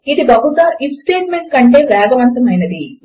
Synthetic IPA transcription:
id̪ibɐɦusaːɾifsʈe̞ːʈ̚meɳʈ̚kɐɳʈe̞ːʋaːɡɐʋɐnt̪ɐmɐjnɐd̪i

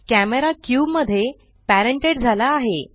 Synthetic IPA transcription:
kæmeɾakjuːbməd̪ʱːje | pæɾəɳʈeɽd͡zʱalaːɦe

